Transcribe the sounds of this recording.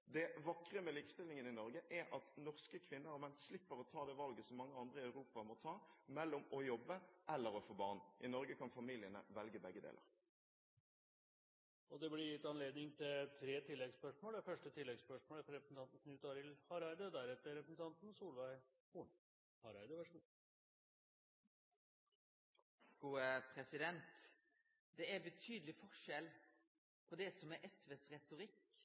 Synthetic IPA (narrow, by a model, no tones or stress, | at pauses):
d̪ɛʋɑkʁəmɛliːkəst̪ɪlɪŋənɪnɔɾɡəʔæɾʔɑt̪nɔʁskəkʰʋɪnːəɾɔmɛnslɪpːəʁɔt̪ʰɑːd̪ɛʋɑlɡəsɔmːɑŋːəɑnd̪ʁəɪɑʉʁuːpɑmɔt̪ʰɑːmɛlːɔmɔjɔbːəʔɛlːəɾɔfoːbɑːʁnʔɪnɔɾɡəkʰɑnfɑmiːlɪənə̰ʋɛlɡəbɛɡːəd̪ḛːlə̰ʁ | ʔɔd̪ɛblɪɾjɪt̪ːɑnleːd̪nɪŋt̪ʰɪlt̪ʰɾeːt̪ʰɪlːɛɡspœʂmoːlɛfœʂʈət̪ʰɪlːɛɡspœʂmoːləfɾɛpɾəsn̩t̪ɑnt̪n̩kʰnʉːt̪ɑɾɪlhɑɾæɪd̪əd̪æɾɛt̪ːəɾɛpɾəsn̩t̪ʰɑnt̪n̩suːlʋæɪ | uɳ | hɑɾæɪd̪əʋæʂu | ɡ̥uːəpʰɾɛsɪd̪ɛnt̪ | d̪ɛæɾbət̪ʰyːd̪əlɪfɔʂɛl | pʰɔd̪ɛsɔmæɾʔɛsʋeːsɾɛt̪ʊɾɪk